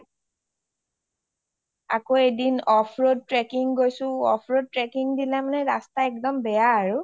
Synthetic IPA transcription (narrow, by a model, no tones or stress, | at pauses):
a̰koejdinɔpʰɹod̚tɹɛkiŋɡojsʊ̃ɔpʰɹod̚tɹɛkiŋdilamanɛɹastaɛk̚dɔmbɛjaːɹu